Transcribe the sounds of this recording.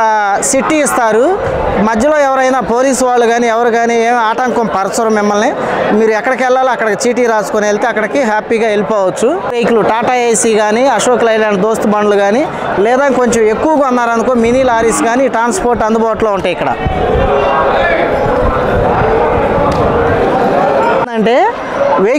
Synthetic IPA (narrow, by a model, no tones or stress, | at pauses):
siʈːiːst̪aːɾu | mɐd̪jɐlo̞ːɛʋɐɾɐjnaːpo̞ːliːsuʋaːɭːuɡaːniːɛʋɐɾuɡaːniːeːmiaːʈɐŋkɐmpɐɾɐsɐɾɐmːɪmːɐlni | miːɾuɛkːɐɽɐkɛlːaːliɐkːɐɽɐt͡ʃiːʈ̬iːɾaːsu̥kunelit̪eːɐkːɐɽɐkiɦaːpiːɡaːe̞lipɔːʋɐt͡ʃːuʈejkluʈaːʈaejsiːɡaːniːɐʃoːklɐjlaːɳɖ̚d̪oːst̪ubɐnːuluɡaːni | lɛːd̪aŋko̞ɲt͡ʃeme̞kːuʋɐɡaɐnːaːɾɐnd̪ukoːminiːlaːɾiːsɡaːniːʈɾaːnspoːɾʈɐnd̪ubɔːʋɐʈloːuɳʈaːjikːɐɽɐ̰ | ɐɳʈe̞ː | ʋe